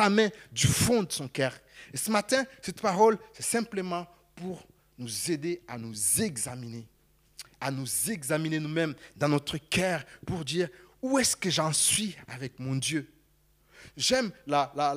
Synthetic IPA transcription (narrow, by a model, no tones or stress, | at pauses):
amɛ̃d̪yfɔ̃d̪əsɔ̃kœːʁ | esəmat̪ɛ̃sɛt̪paʁɔlsɛsɛ̃pləmɑ̃ | puʁ | nuzed̪eanuzɛɡzamine | anuzɛɡzaminenumɛmd̪ɑ̃nɔt̪χəkœːʁpuʁd̪iːʁuɛskəʒɑ̃sɥia̰vɛk̚mɔ̃d̪jø | ʒɛmlala